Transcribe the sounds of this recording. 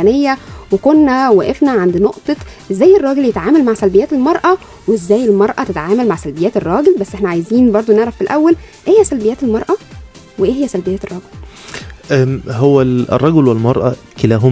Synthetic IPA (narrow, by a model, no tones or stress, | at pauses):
ænejːæwekonːæwæːʔefnæʕand̪noʔt̪ˤɑʔezːæːjːerˤːɑːɡeljet̪ʕaːmælmaʕsælbejæːt̪elmɑɾˤʔɑ | wezːæːjelmɑɾˤʔɑt̪et̪ʕaːmælmaʕsælbejːæːt̪erˤːɑːɡelbæsːʔeħnæʕajziːnbɑɾˤd̪ˤoneʕɾˤæfilʔæwːælʔeːhejːæsælbejæːt̪elmɑɾˤʔɑ | weʔeːhejːæsælbejæːt̪erˤɑɡel | ʔæhowːæḛrˤːɑɡelwelmɑɾˤʔɑ̰ | kelæːɦom